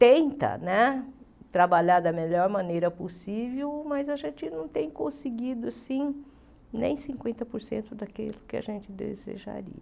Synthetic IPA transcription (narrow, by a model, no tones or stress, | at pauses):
t̪ẽnt̪ɐ̰nɛ | t̪ɾabaʎaɾd̪ɐmeʎɔɾmɐ̃nejɾɐposivewmɐzɐʒẽnt͡ʃɪnɐ̃w̃t̪ẽj̃kõsɪɡid̪ʊasĩ | nḛ̃j̃sĩŋkwẽnt̪ɐpoɾsḛ̃nt̪ʊd̪akḛlʊkɪa̰ʒẽnt͡ʃ̪ɪd̪ḛzḛʒa̰ɾḭɐ